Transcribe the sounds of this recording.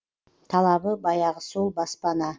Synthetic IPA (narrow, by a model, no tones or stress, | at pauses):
t̪ʰɑlˠɑβəbɑjɑʁəsulˠbɑspɑnɑ